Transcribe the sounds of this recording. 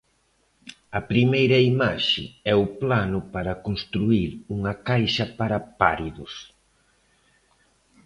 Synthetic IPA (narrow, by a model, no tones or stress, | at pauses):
ɐpɾimejɾɐimaʃɪ̰ɛʊplanʊpaɾɐkonst̪ɾuiɾuŋɐkajʃɐpaɾɐpaɾiðʊs